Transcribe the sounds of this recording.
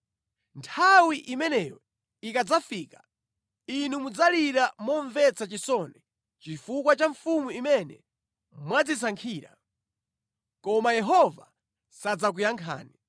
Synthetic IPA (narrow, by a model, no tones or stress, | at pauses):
ntʰawiʔimɛnɛjɔ | ikad͡zafiːkḁ | inumud͡zaliɾamɔɱvɛt͡sat͡ʃisɔnɛ | t͡ʃifukwat͡ʃaɱfumuimɛnɛ̰ | mwad͡zisaŋkʰiːɾa̰ | kɔmajɛɦɔva | sad͡zak̬ujaŋkʰa̰ːni